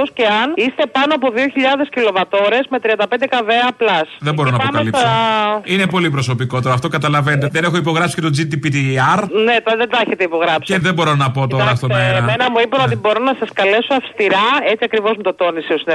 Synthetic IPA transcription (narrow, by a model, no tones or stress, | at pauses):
osceɐnist̪e̞pɐnoɐpo̞ðio̞çiʎɐðe̞scilo̞vɐt̪o̞ɾe̞zme̞t̪ɾiɐnd̪ɐpe̞nd̪ekɐveɐːplɐsðembo̞ɾonɐpoɐmkɐelipssɐine̞po̞lipɾo̞so̞piko̞t̪eɾoɐft̪o̞kɐt̪ɐlɐvenet̪eðenexoipo̞ɣɾɐpsi̥cet̪od͡zit̪ipit̪iɐɾnet̪ɐðed̪ɐeçet̪eipo̞ɣɾɐpsiðebo̞ɾonɐpot̪oɾɐɐst̪onɐeɾɐmenɐmuipeot̪ibo̞ɾonɐsɐskɐle̞soɐfst̪iɾɐe̞t͡siɐkɾivo̞zmut̪ot̪o̞niseosin